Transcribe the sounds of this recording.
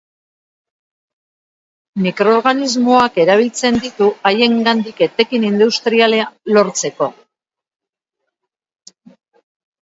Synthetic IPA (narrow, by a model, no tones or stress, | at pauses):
mikɾo̞ːɾɣanizmo̞ake̞ɾaβ̞ilt͡se̞nd̪it̪uaje̞ŋɡand̪ike̞t̪e̞kinind̪ust̪ɾialealo̞ɾt͡se̞ko̞